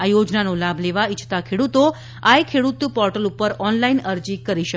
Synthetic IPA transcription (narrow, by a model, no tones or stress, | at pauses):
ajod͡ʒnanolabʱleʋait͡ʃʰt̪akʰeɽut̪o | ajkʰeɽut̪upɔɾʈəlupəɾɔnlainəɾd͡ʑikəɾiʃə